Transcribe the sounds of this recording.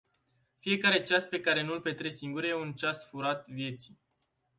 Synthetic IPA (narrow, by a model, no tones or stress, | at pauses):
fije̞kaɾe̞t͡ʃaspe̞kaɾe̞nulpe̞t̪ɾe̞siŋɡuɾjeunt͡ʃasfuɾat̪vje̞t̪si̥